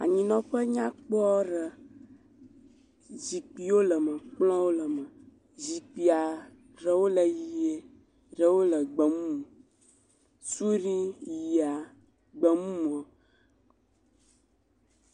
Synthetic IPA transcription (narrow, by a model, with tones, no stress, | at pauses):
a̰˨ɲĩ˨nɔ̃˦ɸə˦ɲã˦k͡pɔ˦ɖə˨ | zi˨k͡pi˨wo˦lə˨mə̃˨k͡plɔ̃˦wo˦lə˨mə̃˨ | zi˨k͡pi˨a˨ | ɖə˨wo˦lə˨ji˨e˨ | ɖə˨wo˦lə˨ɡ͡bə˨mũ˦mõ˨ | su˦ɾi˦ji˨a˨ | ɡ͡bə˨mũ˦m˨ə˨